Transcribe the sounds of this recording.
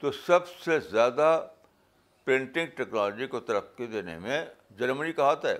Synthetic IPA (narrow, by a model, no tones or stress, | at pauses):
t̪osɐbsezjaːd̪a | pɾẽːɳʈɪ̃ŋɡ̚ʈɛːknaːld͡ʒikot̪ɐɾəfked̪eːnḛmẽ | d͡ʒɐɾmənikɐɦaːt̪ɦɛː